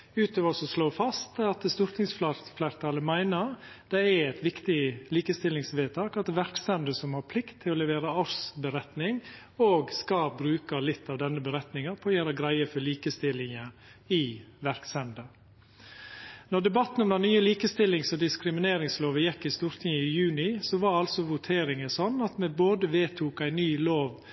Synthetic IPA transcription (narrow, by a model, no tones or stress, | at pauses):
ʉːt̪ʰøːʋəsɔsloːfɑst̪ɑt̪əst̪uːɾt̪ʰɪŋsflɑfleːɾt̪ʰɑːləmæɪnəɾ | d̪̥ɛæɛɪt̪ʋɪkt̪ɪliːkəst̪ɪlːɪŋsʋeːt̪ʰɑːkɑt̪ʋæɾksɛnd̪əsɔmhɑɾpʰlɪkt̪ʰːɪlɔlɛʋeːɾəɑɾsbəɾɛt̪nɪŋ | oːɡskɑlbɾʉːkəlɪt̪ʰːɑʋd̪ɛnːəbəɾɛt̪nɪŋəpʰɔɔjæːɾəɡɾæɪəfɔɭiːkəst̪ɪlːɪŋəɪʋæɾksɛnd̪ə | nɔd̪ɛbɑt̪ːn̩ɔmd̪ɛnnyːəliːkəst̪ɪlːɪŋsɔd̪ɪskɾɪmɪneːɾɪŋsloːʋəjɛkːɪst̪uːɾt̪ʰɪŋəɪjʉːnɪsɔʋɑɾɑlsɔʋʊt̪ʰeːɾɪŋəsɔnːɑt̪mɛboːd̪əʋeːt̪ʰuːkæɪnyːloːʋ